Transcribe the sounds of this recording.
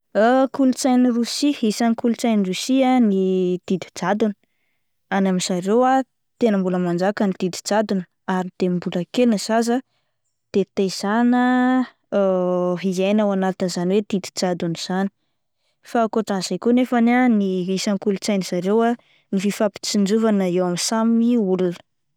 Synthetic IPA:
akulut͡sajnirusiisanikulut͡sajnirusianid̪̥id̪id͡zad̪unə̥ | anaminz̥aɾewa | t̪enəmbuləmand͡ʒakanid̪̥id̪i̥d͡zad̪un | aɾind̪̥embuləkelinəz̥azə | d̪̥et̪ez̥anə | ɦizajnawanat̪inzaniwed̪̥id̪i̥d͡zad̪uniz̥ani̥ | fakoʈ͡ʂaz̥ajkunefananiisaŋkulut͡sajniz̥aɾewa | nififapi̥t͡sind͡ʒuvanaewamisamiulunə̥

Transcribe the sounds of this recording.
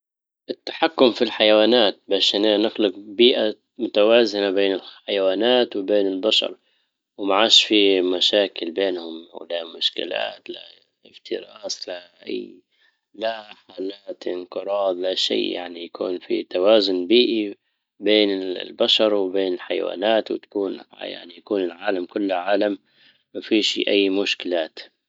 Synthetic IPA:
ʔɪt̪ːḁħakːʊmfilħajawaːnaːt̪̚baːʃananɪxlʊqbiːʔa | mʊt̪awaːzɪnabeːnɪlħajawaːnaːt̪wɪbeːnɪlbaʃɑ̰ɾˤ | wmaʕaːʃfimaʃaːkɪlbeːnhʊmwlamʊʃkɪ̰la̰ːt̪la̰ | ɪft̪ɪɾˤʔɑːslaʔa̰j | laħaːlaːt̪ʔɪnqɨɾˤɑːd̪ˤlaʃḭːja̰ʕnijakṵːnfit̪awaːzʊnbiːʔi | beːnɪlbaʃɑɾˤwɪbeːnɪlħajawa̰ːnaːt̪wɪ̰t̪ḁkuːnja̰ʕnijakuːnɪlʕaːlamkʊlːʕaːlam | mafiːʃʔajːmʊʃkɪlaːt̪

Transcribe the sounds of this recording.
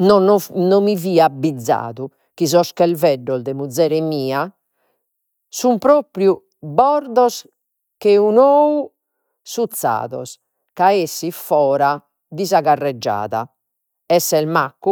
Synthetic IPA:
nɔnɔnomiviːabːid̪zːa̰ːðu | kizɔskɛlvɛɖːɔzd̪ɛmud̪zːɛːɾɛmiːa | sumpɾoːpɾju | bɔɾd̪ɔs | keunoːu | sut̪sːa̰ːðɔ̰s | kaesːifɔːɾa | d̪izaɣarːɛd͡ʒːa̰ːða̰ | ɛsːɛlmakːu

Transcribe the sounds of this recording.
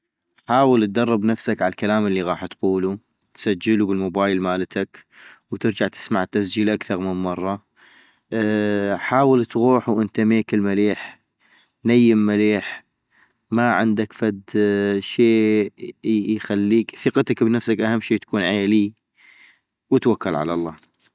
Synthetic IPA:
ħaːwəlt̪̚d̪ɑrˤːɑbnafsakʕaalkalaːmɪlːiɣɑːħt̪quːlu | t̪sad͡ʒːɪlubɪlmʊbaːjɪlmaːlt̪ʰak | wt̪ɪɾd͡ʒaʕt̪ɪ̥smaʕɪt̪ːas̬d͡ʒiːlʔakθɑɾˤmɪnmɑrˤːɑ | ħaːwəlt̪ɣuːħuwʔɪnt̪ameːkɪlmaleːħ | najːɪmːaleːħ | maʕɪ̰nd̪akfad̪ʃeː | jxalːiːkθɪqɑt̪akbnafsakʔahamːʃiːt̪ḁkuːnʕeːli | wət̪wakːalʕa̰lɑ̰lˤːɑ̰ː

